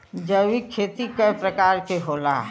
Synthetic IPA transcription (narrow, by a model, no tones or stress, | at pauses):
d͡ʒəwikʰːeːt̪ikəpɾəkaːɾkeɦoːla̰ɦɛ